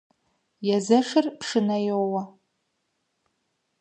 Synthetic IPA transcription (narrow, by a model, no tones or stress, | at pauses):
jazaʂɨrpʰʂɨnajowa